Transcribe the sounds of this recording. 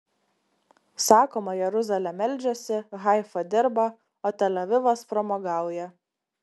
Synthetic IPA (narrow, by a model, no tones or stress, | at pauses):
sɑːkoːmɐjɛɾʊzɐlʲɛmʲɛlʲˑd͡ʒʲosʲɪɣɑɪfɐd̪ʲɪɾbɐ | oːt̪ʲɛlʲɛʋʲɪʋɐspɾɔmoɡɑˑʊjɛ